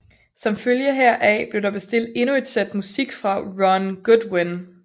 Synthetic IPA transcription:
sɒ̽mføljəɦɛɐ̰ʔɛb̥le̝ɐɾ̥ɑ̈b̥e̝sd̥e̝l̰d̥e̝nue̝d̥sed̥musiɡ̥fʁɑ̈ʁɒnɡ̥ud̥wen

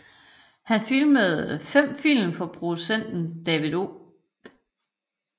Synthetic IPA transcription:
hænfilməð̩ˠfem̰fil̰mfɒ̽pʰʁo̝d̥usen̰d̥n̩d̥ɛʋiðˠo̝ː

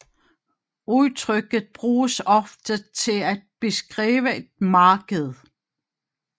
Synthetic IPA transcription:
uðˠt͡sʰʁœɡ̥ð̩ˠb̥ʁuːsɒ̽fd̥ət͡sʰe̝læd̥̚b̥e̝sɡ̥ʁiːʋəe̝d̥̚mɑ̈ːɡ̥əð̩ˠ

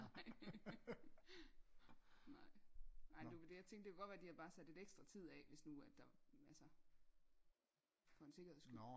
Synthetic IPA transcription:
ɑɪ | nɑ̈ɪ̰nɑ̈ɪ̰duʋed̥e̝jäɪt͡sʰeŋɡ̥̚d̥e̝kʰæɡ̥ɒ̥̽ʋæːɐd̥ihɑ̈b̥ɑ̈ːsæd̥e̝d̥eɡ̥sd̥ʁɐt͡sʰið̞̰ˠɛʋe̝snuæ̥ɑ̈ælsə | fɒ̽e̝nse̝ɡɐheðˠsɡ̥y

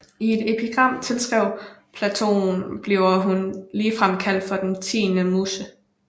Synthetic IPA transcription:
ie̝d̥e̝pʰiɡ̥ʁɑ̈m̰t͡sʰe̝lsɡ̥ʁɛʊ̰pʰlæt͡sʰo̝̰ːn̩b̥liʊɐɦunliːfʁamkʰæl̰d̥fɒ̽d̥ent͡sʰḭːnəmuːsə

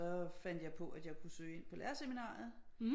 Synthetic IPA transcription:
ɒ̽fæn̰d̥jɑ̈ɪpʰɒ̽ʔæd̥jɑ̈ɪkʰusø̰ːe̝n̰pʰɒ̽læɐseminɑ̰̈ːð̩ˠ

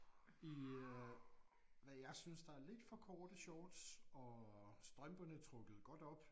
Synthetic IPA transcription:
i | ʋæjɑ̈ɪsynsd̥ɑ̈æɐle̝d̥fɒ̽kʰɒːd̥əɕɒːd̥sɒ̽sd̥ʁɶmb̥ɐnət͡sʰʁɔ̽ɡ̥əð̞̩ˠɡ̥ɒ̽d̥ɒ̽b̥

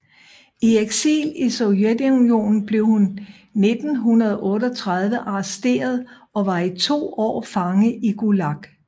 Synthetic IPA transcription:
ieɡ̥sḭːlisoʊjed̥unjo̝̰ːnn̩b̥le̝ʊhunː | e̝d̥n̩ɦunɐðˠʔɔ̽ːɾ̥ɒt͡sʰʁɑð̞ˠʋəʔɑ̈sd̥e̝̰ːɐð̞ˠ | ɒ̽ʋɑ̈it͡sʰo̝̰ːɒ̰ːfɑ̈ŋəʔiɡ̥ulɑ̈ɡ̥

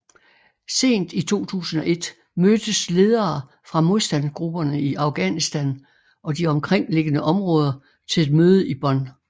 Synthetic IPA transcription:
se̝̰ːnd̥it͡sʰo̝̰ːt͡sʰṵːsən̩ɒ̽ʔe̝d̥ | mød̥əsle̝ːð̞ˠɐː | fʁɑ̈mo̝ðˠsd̥ænɡ̥ʁub̥ɐnəiʔɑ̈ʊɡ̥ænisd̥æn | ɒ̽d̥iɒ̽mkʰʁeŋ̰le̝ɡ̥ənəʔɒ̽mʁɔ̽ːð̞ˠɐ | t͡sʰe̝le̝d̥møːð̞ˠəib̥ɒ̽n̰

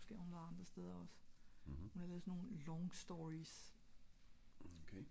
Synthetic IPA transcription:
sɡ̥ḛɐhunʋæːðˠɑ̈nd̥ʁɐsd̥eð̞ˠɐɒ̽s | hunhɑleːðˠsɔnːo̝ːnlɒŋsd̥ɒʁis | okʰe

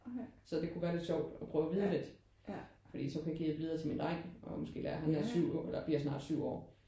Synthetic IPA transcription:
sɒ̽d̥e̝kʰuʋæːɐle̝d̥ɕɒʊ̰d̥ɒ̽pʰʁœːʊʋiðˠəle̝d̥ | fɒd̥ḭːsɒ̽kʰujɡ̥ḭːð̥ed̥ʋiðˠɐt͡sʰe̝lmind̥ʁaŋ̰ɒmɒ̽sɡ̥e̝̰ːlæːɐɦænæsyʊ̰elɐb̥ḭɐjsnɑ̰̈ːd̥syʊ̰ɒ̰ː

